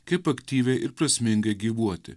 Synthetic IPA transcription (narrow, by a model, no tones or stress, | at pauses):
kɐɪpɐkt̪ʲiːʋʲɛʔɪɾpɾɐsʲmʲɪŋɡɐɪɡʲiːʋuɔt̪ʲɪ̰